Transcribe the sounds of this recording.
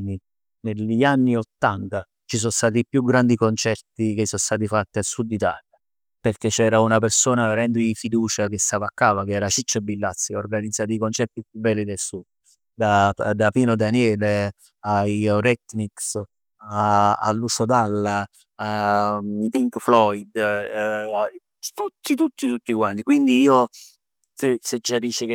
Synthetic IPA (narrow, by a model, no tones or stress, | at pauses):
i | nelanːiot̪ːant̪a | t͡ʃisɔnst̪aːt̪̬ipːjuɡɾand̪ikont͡ʃɛrt̪ikesːɔnst̪aːt̪̬ifat̪ːialsud̪ːit̪a̰ːlja | perket͡ʃːɛːɾaunapersoːnaveɾɛnd̪oifid̪uːt͡ʃakest̪aːvakːaːvak̟eɛːɾat͡ʃit͡ʃːeɛbilːat̪sːiorɡanid̪zːaːt̪iikont͡ʃɛrt̪ipjubːɛlːid̪elsud̪̚ | d̪ad̪apiːnod̪anjɛːle | ajɾɛt̪ːniks | aa̰lːusod̪alːa | a | t̪iŋkflɔjd̪ | t̪ut̪ːit̪ut̪ːit̪ut̪ːikwant̪ikwind̪iiːo | sesed͡ʒad̪it͡ʃek